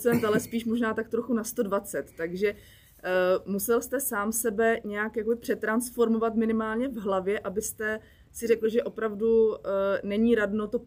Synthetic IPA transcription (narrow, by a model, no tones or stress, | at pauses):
t͡sɛnt̪alɛspiːʃmo̞ʒnaːt̪ak̚t̪ɾoxunast̪o̞dvat͡sɛt̪ːaɡʒɛ | musɛlst̪ɛsaːmsɛbɛɲɛjakjakobɪpr̥ɛt̪ɾansfo̞ɾmo̞vat̪mɪnɪmaːlɲɛvɦlavjɛʔabɪst̪ɛ | sɪrɛkl̩ʒɛʔo̞pɾavdunɛɲiːɾadno̞t̪o